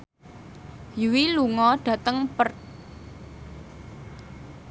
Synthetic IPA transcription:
jiwiluŋɔɖ̥a̤t̪əŋpərt̪̚

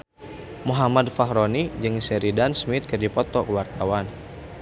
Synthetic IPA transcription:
muɦamadfaɦɾɔnid͡ʒɨŋsəɾidansmit̪̚kərdipɔt̪ɔkəwart̪awan

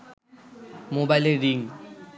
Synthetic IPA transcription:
mobajleɾiŋ

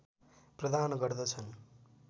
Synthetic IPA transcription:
prʌd̪ʱanɡʌrd̪ʌt͡sʰʌn

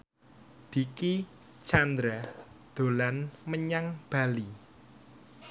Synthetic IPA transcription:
d̪̥i̤ki | t͡ʃand̪ɾad̪̥o̤lanməɲaŋb̥ä̤li

